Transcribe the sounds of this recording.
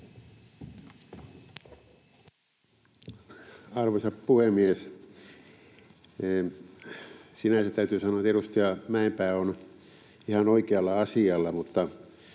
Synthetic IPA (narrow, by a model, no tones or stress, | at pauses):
ɑrʋosɑppuhemies | sinæset̪æyt̪yːsɑnoɑt̪erust̪iɑmæempæːon | ihɑnoikeɑlːɑɑsiɑlːɑmut̪ːɑ